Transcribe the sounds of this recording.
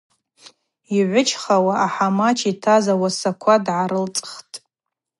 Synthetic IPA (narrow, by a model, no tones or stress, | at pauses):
iʕʷʊt͡ʃʰχawaaħamat͡ʃʰitʰazawasakʷʰadʕaɾɨlt͡sʼχtʼ